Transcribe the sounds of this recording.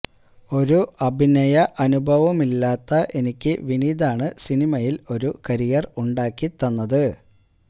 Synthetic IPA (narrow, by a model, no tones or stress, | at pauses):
o̞ɾuɐbʱinɐjɐʔɐnubʱɐʋɐmilːaːt̪ːɐʔe̞nikʲːɨʋiniːd̪aːɳɨsinimɐjilo̞ɾukɐɾijɐruɳɖaːkːit̪ːɐnːɐðɨ